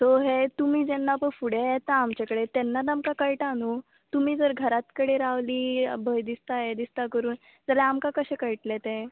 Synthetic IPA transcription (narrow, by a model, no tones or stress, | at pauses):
t̪oɦet̪umiːd͡zɛnːapəɳfuɽeet̪aːmt͡ɕakəɽet̪ɛnːat̪̬amkakəjʈanu | t̪umiːd͡zəɾɡʱəɾat̪kəɽeɾaʋliːbʱəjd̪ist̪ajed̪ist̪akəɾuːn | d͡zalaamkakəɕɛkəjʈlet̪ẽ